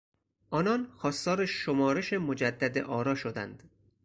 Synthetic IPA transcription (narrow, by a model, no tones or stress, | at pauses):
ʔɒːnɒnxɒːst̪ɒːɾeʃomɒːɾeʃemod͡ʒæd̪ːæd̪ḛʔɒːɾɒːʃod̪æ̰nd̪̥